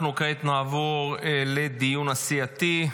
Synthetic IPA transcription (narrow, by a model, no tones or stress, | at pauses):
nuket̪naːvoʁled̪ijunasiat̪i